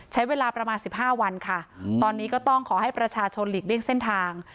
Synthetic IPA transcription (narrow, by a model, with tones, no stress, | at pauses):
t͡ɕʰa˦˥jweː˧laː˧pɾa˧maː˧nsi˨˩p̚ɦaː˥˩wa˧nkʰa˥˩t̪ɔː˧nːiː˦˥kɔː˥˩t̪ɔ˥˩ŋkʰɔː˩˦ɦa˥˩jpɾa˧t͡ɕʰaː˧t͡ɕʰo˧nliː˨˩k̚li˥˩əŋse˥˩nt̪ʰaː˧ŋ